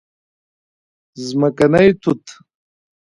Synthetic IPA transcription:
zmɐkɐnɐjt̪ʰut̪ʰ

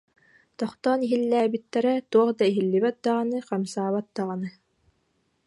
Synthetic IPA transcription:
t̪ɔχt̪ɔniɦilːæːbit̪ːɛɾɛt̪uɔχd̪aiɦilːiβɛt̪̚d̪aʁɑnɯqamsaːβat̪̚d̪aʁɑnɯ

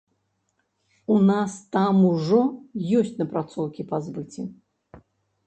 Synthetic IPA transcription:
unast̪amuʐɔjɔsʲt͡sʲnɐpɾat̪sɔwkʲipazbɨt͡sʲi

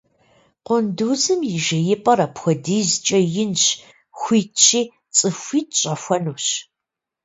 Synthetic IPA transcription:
qʷʊnduːzɨmjɪʒɐjɪpʼɐrɐpxʷɔdiːzt͡ʃʼɐjɪnɕ | xʷiːtt͡ʃʰiː | t͡sʼɨfʷiːt̚ʰɕʼɐfʷɐnuːɕ

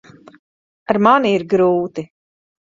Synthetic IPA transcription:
aɾmaniːɾɡɾuːt̪i

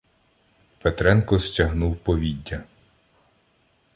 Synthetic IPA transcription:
pet̪ɾɛnkɔstʲɐɦnuwpɔʋʲidʲːɐ

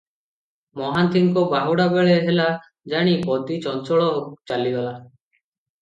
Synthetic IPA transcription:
mɔɦant̪iŋkɔbaɦuɽabeɭeɦela | d͡ʒaɽ̃ipɔd̪it͡ʃɔnt͡ʃɔɭɔɦot͡ʃaliɡala

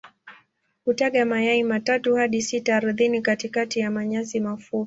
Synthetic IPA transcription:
hutaɠamajaimatatuhaɗisitaːɾuθinikatikatijamaɲasimafu

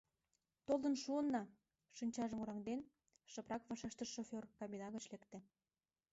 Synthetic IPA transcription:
t̪old̪ənʃuənːɑ | ʃinʲt͡ɕɑʒəmuɾɑŋd̪en | ʃɤ̆prɑkβɑʃɑʃt̪əʃofʲorkɑmʲinɑɣə̆t͡ɕlekt̪ĕ

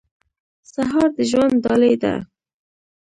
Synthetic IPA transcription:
saɦɑɾd̪əʒwand̪dːɑlejd̪a̰

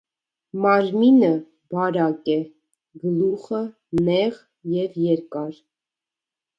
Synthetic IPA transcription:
mɑɾminə | bɑɾɑkɛ | ɡəluχə | nɛʁ | jɛvjɛɾkɑɾ

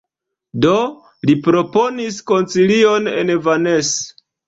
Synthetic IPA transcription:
do | lipɾo̞po̞nisko̞nt͡silio̞ne̞̰nvanes

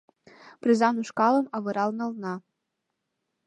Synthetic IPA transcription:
prizanuʂkaləmavɨɾalˠnalna

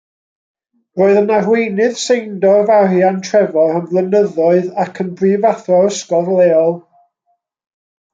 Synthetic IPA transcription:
roːɨðənarwejnɨð̥sejndɔvarjantʰrɛvɔənvlˠənəðɔɨðakʰənbriːvaθɔəskɔrlˠeːɔlˠ

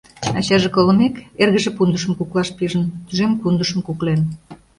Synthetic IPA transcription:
ɑt͡ɕɑʒekolə̆mekerɣə̆ʒĕpund̪əʃə̆mkuklɑʃpiʒənt̪yʒempund̪əʃə̆mkuklen

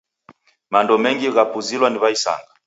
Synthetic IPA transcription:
mandɔmɛŋɡiɣapuzilwaniβaisa̰ŋɡa

